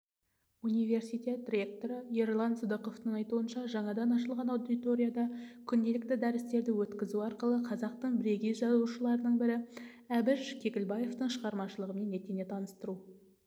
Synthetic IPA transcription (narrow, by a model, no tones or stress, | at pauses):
unijve̞rsijt̪ʲe̞t̪ːrʲe̞k̚t̪o̞ɾəerlˠɑnsəd̪əqo̞ft̪əɴɑjt̪uənʃɑʒɑɴɑd̪ɑnɑʃəlˠʁɑnɑwd̪it̪o̞ɾʲijad̪ɑkʲʰʏnd̪e̞lɪkt̪ɪd̪æɾɪst̪e̞ɾd̪ɪwɵt̪kʲɪzuɑɾqəlˠəqʰɑzɑq̚t̪əɴbɾeɡʲizʒɑzuʃəlˠɑɾənəɴbɪɾɪ | æbɪʒkʲʰe̞kʲɪlbɑje̞ft̪əɴʃəʁɑɾmɑʃəlˠəʁəmenːe̞t̪ene̞t̪ʰɑnəst̪əɾu